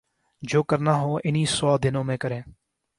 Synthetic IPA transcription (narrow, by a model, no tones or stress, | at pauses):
d͡ʒoːkəɾnaːɦoːʔɪniːsɔːd̪ɪnõːmẽːkəɾẽː